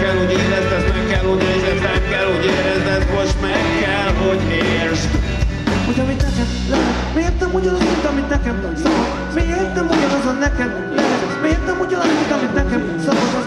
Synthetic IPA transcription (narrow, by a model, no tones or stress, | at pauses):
kɛlhoɟiːlːɛst̪ɛsmɛkːɛlho̞ɟmiːzɛt̪ːɛkːɛlhoɟeːɾɛzɛt̪mot͡ʃmɛkːɛlɦo̞meːrʃ | hoɟɒmit̪nɛkɛm | lɛɦɛt̪meːt̪ɛmuɟɒnɒzmint̪ɒmit̪nɛkɛm | sɔv | meːrt̪ɛmuɟɒnɒzonːɛkɛm | lɛɦɛt̪ | meːrt̪ɛmuɟɒnɒzmint̪ɒmit̪nɛkɛm | sɒvozo